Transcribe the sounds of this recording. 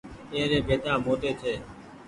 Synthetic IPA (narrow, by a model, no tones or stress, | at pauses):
ẽːɾeːbʱeːt̪ãːmoːʈ̪eːt̪ʰeː